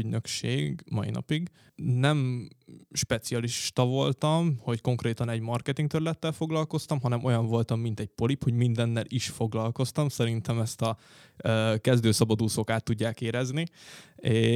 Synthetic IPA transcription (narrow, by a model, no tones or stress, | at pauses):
yɟnø̞kʃḛːɡmɒ̰ḭnɒ̰piɡ | nɛm | ʃpɛt̪sijɒliʃt̪ɒvo̞lt̪ɒmho̞cko̞ŋkreːt̪ɒnɛɟmɒrkɛt̪iŋk̚t̪øɾlɛt̪ːɛlfo̞ɡlɒlko̞st̪ɒmɦɒnɛmʔo̞jɒɱvo̞lt̪ɒmːint̪ɛɟ̚po̞lipho̞ɟmind̪ɛnːɛlʔiʃfo̞ɡlɒlko̞st̪ɒmsɛɾint̪ɛmɛst̪ɒ | kɛzd̪øːsɒbɒd̪uːsokaːt̪ːuɟːaːkeːɾɛznie